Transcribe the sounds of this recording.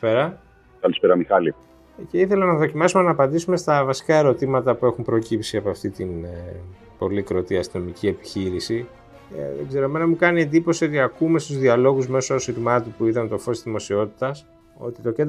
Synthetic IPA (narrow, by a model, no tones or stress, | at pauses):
peɾɐ | kɐlispeɾɐmixɐli | ce̞iθelɐnɐðo̞cimɐsume̞nɐːpɐnd̪isume̞st̪ɐvɐsi̥kɐe̞ɾo̞t̪imɐt̪ɐpue̞xumpɾocipsiɐpoɐft̪it̪in | po̞likɾo̞t̪iɐst̪inomicie̞pi̥çiɾisḭ | ðḛɡze̞ɾoeme̞nɐmukɐnie̞nd̪ipo̞sio̞t̪iɐkume̞st̪uzðiɐlo̞ɣuzme̞soosiɾmɐt̪upuit̪ɐnt̪o̞fo̞st̪izðimo̞sio̞t̪i̥t̪ɐs | o̞̰t̪it̪o̞ce̞n